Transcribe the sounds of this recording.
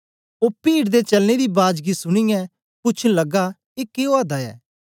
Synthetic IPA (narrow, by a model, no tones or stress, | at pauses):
oːpiːɽd̪et͡ʃɐlned̪ibaːd͡ʒɡisʊɽ̃ijɛ̃ | pʊt͡ʃʰlɐɡa | ɪkːeːoaːd̪aɛ̰ː